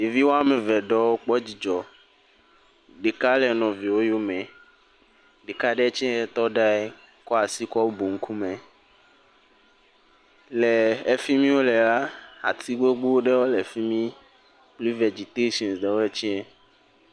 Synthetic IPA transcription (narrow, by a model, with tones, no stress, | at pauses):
e˨vi˦wo˦a˦mɛ̃˨vɛ˨ɖɔ˦wo˦k͡pɔ˦d͡ʑi˨d͡ʒɔ˨ | ɖe˨ka˦lɛ˨nɔ̃˨vi˨wo˦jo˦mɛ̃˨ | ɖe˨ka˦ɖɛ˦t͡ʃɛ˦ɛ˦t̪ɔ˦ɖa˦ɛ˦ | kɔ˦a˨si˦kɔ˦wo˦bo˨ŋ̩˦ku˦mɛ̃˨ | lɛ˨e˦fi˦mĩ˦wo˦lɛ˨la˦a̰˨t̪ʰi˦ɡ͡bo˦ɡ͡bo˦wo˦ɖɛ˦wo˦lɛ˨fi˦mĩ˦ | k͡pli˦vɛ˨d͡ʒi˨t̪e˦ʃɔ̃˨nsɖɛ˨wo˦ɛ˦t͡ʃɛ˦ɛ˦